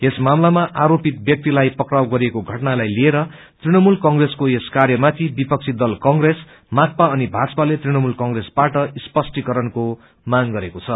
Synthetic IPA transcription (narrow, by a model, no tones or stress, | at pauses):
esmamlamaʔaɾopit̪̚bjʌk̚t̪ilajpʌkrawɡʌɾiekoɡʱʌʈnalajlieɾʌ | t̪riɽ̃ʌmulkʌŋreskoeskarjʌmat̪ʰibipʌk̚t͡sʰid̪ʌlkʌŋɡres | mak̚paʌnibʱat͡sʌpalet̪riñʌmulkʌŋɡresbaʈʌispʌsʈikʌɾʌnko | maŋɡʌɾekot͡sʰʌ